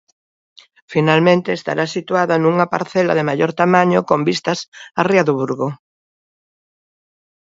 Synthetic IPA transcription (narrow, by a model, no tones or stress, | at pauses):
finalmẽnt̪eːst̪a̰ɾasit̪uaðɐnuŋɐpa̰ɾθɛlɐ̰ðemaʎoɾt̪amaɲokombist̪ɐsariaðuβuɾɣo